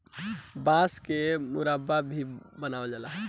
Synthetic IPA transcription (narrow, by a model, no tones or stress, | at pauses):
bãskemʊɾababʱibənaːəld͡ʒalaɦ